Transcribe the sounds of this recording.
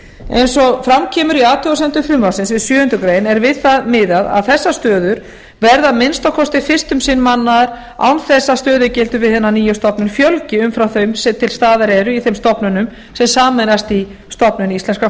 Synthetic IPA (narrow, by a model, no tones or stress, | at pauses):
ejnsɔfɾamcʰɛːmʏɾiaːt̪ʰʏasɛmt̪ʏfɾʏmvasɪnsvɪðsjʏːhʏnt̪ʏkɾeːjnɛɾvɪðθaðmɪðaða̰ðθɛsːast̪œːðʏɾ | vɛɾðaðmɪnst̪awkʰɔst̪ɪfɪr̥st̪ʏmsɪnmanːaɾ | a̰wnθɛsːast̪œːðʏcɛlt̪ʏvɪðθhɛnːaniːjʏst̪ɔpnʏnfjœlcɪʏmfɾawθœjmsɛt̪ʰɪlst̪aːðaɾɛɾʏiθejmst̪ɔpnʏnʏm | sɛmsaːmɛnast̪i | st̪ɔpnʏnist̪ɛnska